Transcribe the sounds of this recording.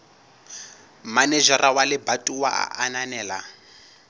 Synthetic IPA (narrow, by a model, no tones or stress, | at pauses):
manɛʒarʔawalɪbatʼuwa̰a̰ʔananɛːla